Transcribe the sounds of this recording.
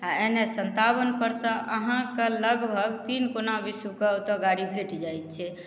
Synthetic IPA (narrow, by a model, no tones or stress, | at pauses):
aenesənt̪abənpəɾsə̃ʔəɦãkeləɡbʱəɡt̪inkonabisukeot̪əɡaɾibʱeʈd͡ʒajt̪̚t͡ʃʰɛ